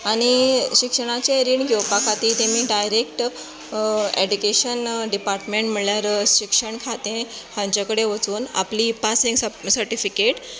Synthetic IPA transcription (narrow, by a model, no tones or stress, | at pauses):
aɽ̃iɕikʂəɽ̃at͡ɕeɾiːɳɡʱowpakʰat̪iːt̪emiːɖajɾekʈ | ed͡ʑukeɕənɖipaɾʈmẽɳʈm̤əɳljaɾɕikʂəɳkʰat̪ẽhãɲt͡ɕakəɽeʋət͡suːna̰plipasiŋɡsəɾʈifikeʈ